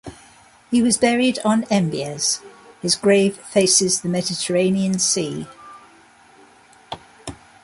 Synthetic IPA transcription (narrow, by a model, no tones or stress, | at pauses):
hiwɒzbɛɹɪdn̩ɛ̃mbiəz̥hɪzɡɹeɪv̥feɪsɪzðəmɛdɪtʰəɹẽɪ̃niə̃nsiː